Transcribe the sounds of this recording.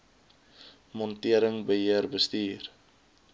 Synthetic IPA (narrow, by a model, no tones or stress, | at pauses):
mɔntiəɾəŋbəɦiərbəstiːr